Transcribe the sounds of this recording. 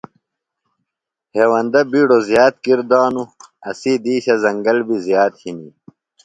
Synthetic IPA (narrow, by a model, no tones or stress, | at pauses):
heːwɐnd̪ɐbiːɖozjaːt̪̚kiɾd̪aːnuɐsid̪iːɕɐzɐŋɡɐlbizjaːt̪hinḭ